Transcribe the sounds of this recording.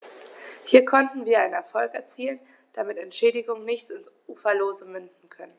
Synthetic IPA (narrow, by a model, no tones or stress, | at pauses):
hiːɐkʰɔntn̩viːɐaɪnənɛɐfɔlkɛɐt͡siːlən | d̥amɪtɛntʃɛːdɪɡʊŋənɪçt͡sɪns | uːfɐloːzəmʏndn̩kʰœnən